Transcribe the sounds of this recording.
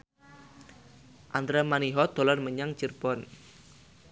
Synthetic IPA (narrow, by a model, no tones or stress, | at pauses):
ʔand̪ɾamaniɦɔd̪̥o̤lɔnməɲaŋt͡ʃirb̥ɔn